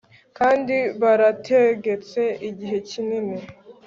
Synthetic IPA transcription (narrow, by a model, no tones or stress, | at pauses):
kaːndiβaɾatʰe̞ɡe̞t͡se̞iɟiɦe̞cinini